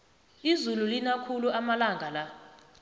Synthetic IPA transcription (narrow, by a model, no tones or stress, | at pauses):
izululinakʰuluamalaŋɡʱala